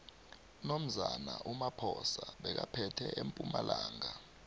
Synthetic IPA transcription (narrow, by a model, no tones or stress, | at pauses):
nom̩zanaʔumapʰɔsaɓɛk̬apʰɛtʰɛempʼumalaːŋa